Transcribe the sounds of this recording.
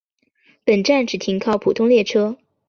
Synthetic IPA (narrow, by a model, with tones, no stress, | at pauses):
pə˨˩nʈ͡ʂa˥˩nʈ͡ʂɻ̩˨˩t̪ʰi˧˥ŋkʰɑ˥˩ʊpʰu˨˩t̪ʰʊ˥˧ŋljɛ˥˩ʈ͡ʂʰɤ˥